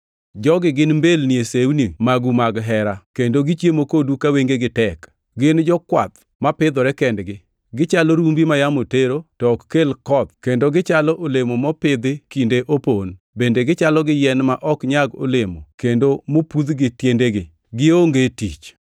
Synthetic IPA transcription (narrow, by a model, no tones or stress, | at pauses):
d͡ʒɔɡɪɡɪnmbelniesewnimaɡumaɡɦɛɾakendoɡɪt͡ʃjemokodukaweŋɡeɡɪtɛk | ɡɪnd͡ʒɔkwa̰t̪ | mapɪd̪ɔɾɛkɛndɡɪ | ɡɪt͡ʃalɔɾumbimajamoteɾotɔkkːelkɔt̪̚kendoɡɪt͡ʃalɔʔolemomɔpɪd̪ɪkindeʔopon | bendeɡɪt͡ʃalɔɡɪjɛnmaʔɔkɲaɡo̰lemo̰kendomopud̪ɡɪtjendeɡɪ | ɡɪoŋɡetit͡ʃ